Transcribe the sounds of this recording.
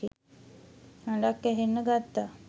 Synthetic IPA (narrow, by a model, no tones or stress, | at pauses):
i | aɳɖakːɛɦenːəɡat̪ːa